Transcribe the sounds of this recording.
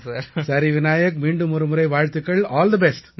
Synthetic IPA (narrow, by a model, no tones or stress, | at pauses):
sɐɾiʋɪnaːjɐk̚miːɳɖɯmɔɾɯmɯɾɐɪʋaːɻt̪ɯkːɐɭɔːld̪ɐbɛsʈ